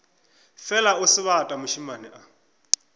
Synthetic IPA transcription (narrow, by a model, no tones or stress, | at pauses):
fɛlaʊsɪβatʼamʊʃimanɛʔa